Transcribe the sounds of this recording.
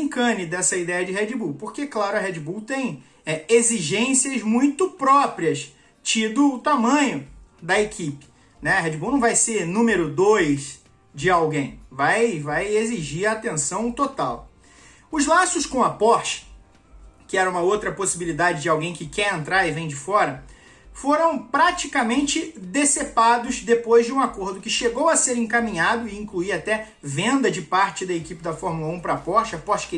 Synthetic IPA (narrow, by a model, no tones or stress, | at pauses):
ĩŋkɐ̃nɪd̪ɛsɐid̪ɛjɐd͡ʒɪɦɛd͡ʒibuwpoɾkeklaɾʊɐɦɛd͡ʒibuwt̪ẽj̃ | ɛeziʒẽsiɐzmũj̃t̪ʊpɾɔpɾiɐs | t͡ʃid̪ʊːt̪amɐ̃ɲʊd̪ɐekʰipɪ̥ | nɛɐɦɛd͡ʒibunɐ̃w̃vajseɾnũmeɾʊd̪ojʃ | d͡ʒɪawɡẽj̃vajvajeziʒiɾɐːt̪ẽsɐ̃w̃t̪ot̪aw | ʊzlasʊskõɐpɔɾt͡ʃɪ̥ | kɪɛɾɐũmɐowt̪ɾɐposibilid̪ad͡ʒɪd͡ʒɪawɡẽj̃kɪkɛɾẽnt̪ɾaɾɪvẽj̃d͡ʒɪfɔɾɐ | foɾɐ̃w̃pɾat͡ʃikɐmẽnt͡ʃɪd̪esepad̪ʊzd̪epojzd͡ʒɪũakoɾd̪ʊkɪʃeɡowɐseɾẽkamĩɲad̪ʊɪĩkluiɾat̪ɛ | vẽnd̪ɐd͡ʒɪpaɾt͡ʃɪd̪ɐekipɪd̪ɐfɔɾmulɐũpɾɐapɔɾt͡ʃɪɐpɔɾt͡ʃɪ̥kɪ